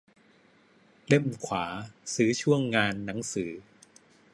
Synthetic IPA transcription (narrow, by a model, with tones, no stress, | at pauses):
le˥˩mkʰwaː˩˦sɯː˩˦˥t͡ɕʰu˥˩əŋːaː˧nːa˩˦ŋsɯː˩˦